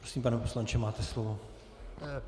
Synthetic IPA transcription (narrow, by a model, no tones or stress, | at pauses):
ɾosimpanɛposlaɲt͡ʃɛmaːt̪ɛslovo